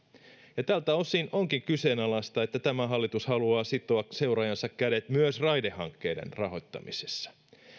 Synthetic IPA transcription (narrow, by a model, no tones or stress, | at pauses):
jɑt̪ælt̪æo̞sino̞ŋkiŋkyse̞ːnɑlɑst̪ɑe̞t̪ːæt̪æmæɦɑlːit̪ushɑluɑːsit̪ːˑoɑkse̞wɾɑjɑnsɑkkæde̞t̪myøsrɑjdehɑŋkːe̞ːdḛnrɑɦo̞jt̪ːɑ̰misesːɑ̥